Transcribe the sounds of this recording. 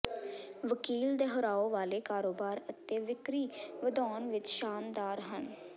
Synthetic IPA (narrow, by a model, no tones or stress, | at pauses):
ʋəkiːld̪eːɦəɾaːoːʋaːleːkaːɾoːbaːɾət̪eːʋɪkɾiːʋəd̪ɔːnʋɪt͡ʃʃaːnd̪aːɾɦən